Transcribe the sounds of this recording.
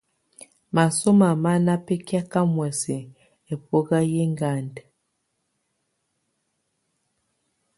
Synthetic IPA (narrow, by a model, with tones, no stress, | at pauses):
ma˨so˦ma˨ma˦na˦pe˦kja˦ka˦mwɛ˨se˨ | e˨po˦ɣa˦je˦ŋɡa˦˨nde˨